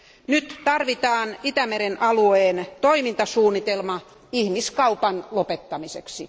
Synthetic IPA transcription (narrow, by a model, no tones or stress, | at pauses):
nyt̪t̪ɑrʋit̪ɑːnit̪æmeɾenʔɑlueːnt̪oimint̪ɑsuːnːit̪elmɑ | ihmiskɑupɑnlopet̪ːɑmisḛksi